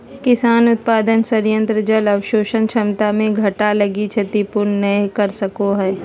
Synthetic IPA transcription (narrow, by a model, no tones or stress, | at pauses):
kɪsaːnʊt̪̚paːd̪ənsəɾjə̃nt̪ɾəd͡ʒəlɐwʃoːʃənʃɐmt̪amẽɡʱɐʈalɐɡit͡ʃʰɐt̪ipʊɾnːɐĩkɐɾsɐkoɦɛː